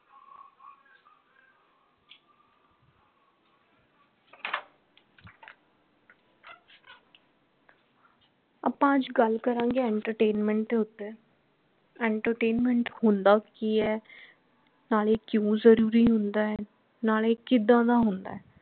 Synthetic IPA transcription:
ə̰pãːd͡ʒɡəlkəɾãːŋɡeːɛːɳʈəɾʈeːnmɛ̃ːɳʈd̪eːʊt̪ːeː | ɛɳʈəɾʈeːnmɛɳʈhʊnd̪aːkiːɛː | naːleːkjõːzəɾuːɾiːɦʊnd̪aːɛː | naːleːkɪd̪ãːd̪aːɦʊnd̪a̰ːɛː

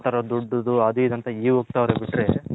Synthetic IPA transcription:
ʈaːɾod̪uɖːud̪uɐd̪uid̪ɐnt̪ɐiːʋok̚t̪aːʋɾebiʈɾḛ

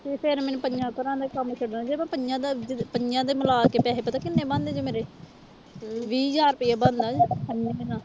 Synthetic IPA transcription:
t̪eːpʰɪɾmɛːnpənd͡ʒãːkəɾãːd̪aːkəmt͡ʃʰəɽnaːd͡ʒeːbãpənd͡ʒãːd̪ad͡ʒpənd͡ʒãːd̪eːməlaːkeːpɛːɦeːpɛt̪akɪnːẽːbãːnd̪eːd͡ʒeːmeːɾeː | ʋiːd͡ʒaːɾpɪːaːbãːnd̪aːd͡ʒənːenãː

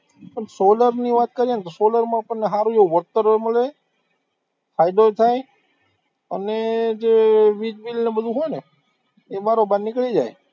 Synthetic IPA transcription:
pəɳsoləɾniʋaːt̪̚kəɾijenet̪osoləɾmãpəɳːeɦaɾũd͡ʒeuʋəɾt̪əɾməle | fʰajd̪oet̪ʰae | əned͡ʒeʋid͡ʒʋilnebəd̪ʱũɦojne | emaɾobannɪkɭid͡ʒae

